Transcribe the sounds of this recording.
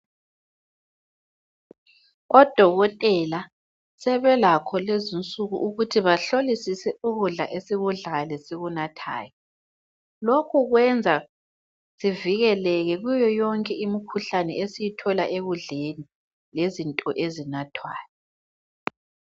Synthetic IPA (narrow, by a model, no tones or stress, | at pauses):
ɔd̥ʱɔɣɔtʼɛla | sɛβɛlakʰɔlezint͡sʼuɣuʔuɣutʰiβaɬolisisɛuɣuɮa̰ʔesiɣuɮalɛsiɣunatʰa̰ːjɔ | lokʰuɣwɛnd͡zʱa | ziviɣɛlɛɣɛɣujɔjɔŋkʼɛimikʰuɬanɛesijitʰɔlaʔeɣuɮeni | lezintʼɔʔezinatʰwa̰ːjɔ